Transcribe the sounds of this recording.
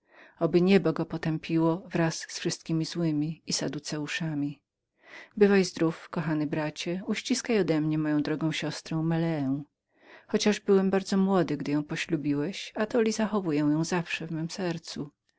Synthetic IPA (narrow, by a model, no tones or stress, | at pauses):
ɔbɘɲɛbɔɡɔpɔt̪ɛmpʲiwɔvɾasːfʂɨst̪̚kʲimʲizwɘmʲiːsa̰d̪ut̪sɛuʂamʲi | bɘvajzd̪ɾufkɔxanɘbɾat͡ɕɛuɕt͡ɕiskajɔd̪ɛmɲɛmɔjɔ̃d̪ɾɔɡɔ̃w̃ɕɔst̪ɾɔ̃w̃mɛlɛː | xɔt͡ɕaʐbɘwɛmbaɾd̪zɔmwɔd̪ɘɡd̪ɘjɔ̃w̃pɔɕlubʲiwɛɕat̪ɔlʲizaxɔvujɛw̃jɔ̃w̃zafʂɛvmɛmsɛɾt̪su